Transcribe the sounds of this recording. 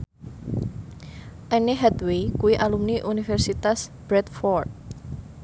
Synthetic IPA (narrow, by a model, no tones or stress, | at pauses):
ʔɛneɦɛt̪wekuwiʔalumniʔunifɛrsit̪asb̥ɾɛt̪fɔrt̪̚